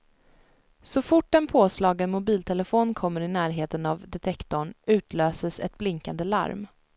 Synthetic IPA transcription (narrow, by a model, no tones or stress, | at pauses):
sɔfʊʈːɛnpʰoːslɑːɡənmʊbiːlt̪ʰɛləfoːnkʰɔmːəɾɪnæːɾɦeːt̪ənavd̪ɛt̪ʰɛkt̪ʊɳʉ̟ːt̪ʰløːsəsɛ̰t̪̚blɪŋkand̪əla̰ɾm